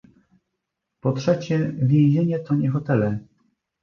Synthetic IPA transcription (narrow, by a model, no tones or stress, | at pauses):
pɔtʂɛt͡ɕɛvʲjɛ̃ʑeɲɛt̪ɔɲɛxɔt̪ɛlɛ